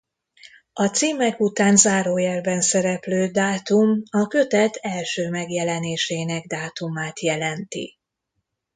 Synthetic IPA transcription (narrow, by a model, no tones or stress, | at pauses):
ɒt̪siːmɛkut̪aːnzaːɾoːjɛrbɛnsɛɾɛpløːd̪aːt̪umɒkø̞t̪ɛt̪ʰɛlʃøːmɛɡjɛlɛneːʃeːnɛɡ̚d̪aːt̪umaːt̪jɛlɛnt̪ḭ